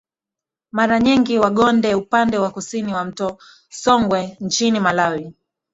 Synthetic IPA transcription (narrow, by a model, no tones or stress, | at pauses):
maɾaɲiŋɡiwaɠɔndɛupandɛwakusiniwam̩tɔ | sɔŋɡwɛnt͡ʃinimalawi